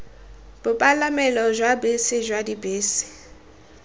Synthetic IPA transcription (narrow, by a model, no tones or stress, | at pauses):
b̥ʊpʼalamɛlɔʒwabesɪʒwadibeːsɪ̥